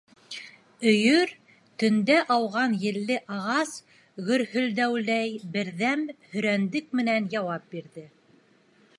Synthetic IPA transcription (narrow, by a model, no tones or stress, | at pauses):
ɵ̆jɵɾ | t̪ɵ̆nd̪æʔɑwʁɑnjɘ̆lːɘʔɑʁɑs | ɡɵ̆ɾhɵ̆ld̪æwlæjbɘ̆ɾðæmhɵ̆ɾænd̪ɘk̚mɘ̆nænjɑwɑp̚biɾðɘ